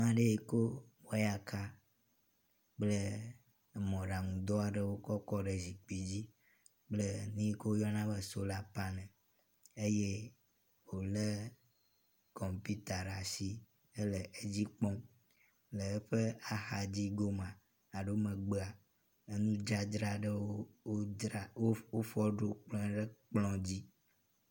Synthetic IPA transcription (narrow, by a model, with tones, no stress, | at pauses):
mã˦ɖe˦i˨ko˦wa˦ja˨ka˦ | k͡plə˦˨ | mɔ̃˨ɖa˨ŋũ˨d̪ɔ˦a˨ɖɛ˦wo˦kɔ˦kɔ˦ɖɛ˨zi˨k͡pi˨d͡ʑi˦ | k͡plə˦nĩ˦ko˦jɔ˦nã˦bə˨so˦la˦pa˦nɛ̃˨ | e˦je˦ | wo˨lə˦ | kɔ˨mpi˦t̪a˨ɖa˨si˦ | e˦lə˨ʔe˦d͡ʑi˦k͡pɔ̃˦m | lə˨ɛ˦ɸe˦a˨xa˨d͡ʑi˦ɡo˦m˨ã˨ | a˨ɖo˦mɛ̃˨ɡ͡be˦a˨ | e˦nũ˦d͡ʒa˦d̪ɾa˨ɖə˦wo˦o˦ɾa˨wo˦o˦fɔ˦ɖo˨k͡plɔ̃˦˨ɖe˦k͡plɔ̃˦d͡ʑi˦